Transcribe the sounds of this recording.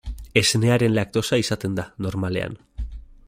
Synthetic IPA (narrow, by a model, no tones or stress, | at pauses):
e̞sne̞aɾe̞nlak̚t̪o̞saisat̪e̞nd̪ano̞ɾmale̞̰a̰n